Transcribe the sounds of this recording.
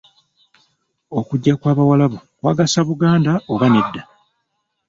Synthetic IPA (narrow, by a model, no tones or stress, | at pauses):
o̞kuɟːakwaːβawalaβo̞kwaːɡasaβuɡaːndaoβanedːa